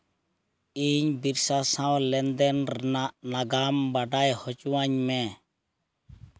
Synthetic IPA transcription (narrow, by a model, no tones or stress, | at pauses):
iɲbiɾsasãwlɛnd̪ɛnɾaʔnaɡambaɖajhɔt͡ʃuwaɲmɛ